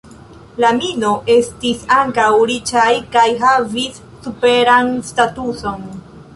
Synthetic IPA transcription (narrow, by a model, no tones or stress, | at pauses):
lamino̞ʔe̞stisaŋkawɾit͡ʃajkajɦavisːupe̞ɾanstatuso̞n